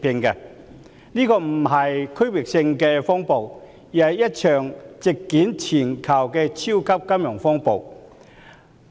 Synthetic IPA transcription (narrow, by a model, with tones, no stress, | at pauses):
pɪ˧ŋkɛ˧ | niː˥kɔː˧m̩˨˩ɦɐ˨jkʰɵ˥ɥwɪ˨k̚sɪ˧ŋkɛː˧fɔː˥ŋpo˨w | jiː˨˩ɐ˨˩jɐ˥t̚t͡ʃʰœː˨˩ŋt͡sɪ˨kːiː˨˥nt͡sʰiː˨˩nkʰɐ˨˩wkɛː˧t͡sʰiː˥wkʰɐ˥p̚kɐ˥mjʊ˨˩ŋfɔː˥ŋpo˨˩w